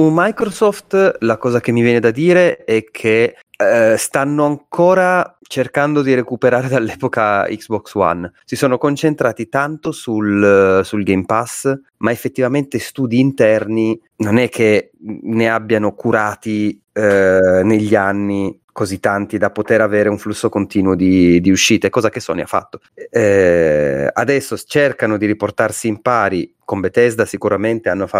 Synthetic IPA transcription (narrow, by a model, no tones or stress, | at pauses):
umːajkɾosɔft̪lakɔːzak̟emːivjɛːned̪ad̪iːɾeɛkʰːe | ɛst̪anːoaŋkʰɔːɾa | t͡ʃerkand̪od̪iɾekupeɾaːɾed̪alːɛːpokaḭksbɔkswa̰nsisoːnokont͡ʃent̪ɾaːt̪it̪ant̪osulsulɡejmpas | maefːet̪ːivament̪est̪uːd̪iːnt̪ɛrni | nonɛkʰːe | neabːjanokuɾaːt̪i | neʎːianːi | kozit̪ːant̪id̪apot̪eɾaveːɾeuɱflusːokont̪iːnuod̪id̪iuʃːiːt̪eɛkːɔːzakesːɔ̰nḭa̰fːa̰t̪ːo̥ | a̰d̪ɛsːot͡ʃerkanod̪iɾiport̪arsiːmpaːɾi | kombet̪ɛzd̪asikuɾament̪eanːofa